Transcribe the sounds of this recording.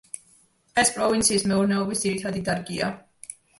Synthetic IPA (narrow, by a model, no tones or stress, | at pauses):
ɛspʼɾɔvint̪sʰiːsmɛuɾnɛɔbisd̪ziɾit̪ʰad̪id̪aɾɡia̰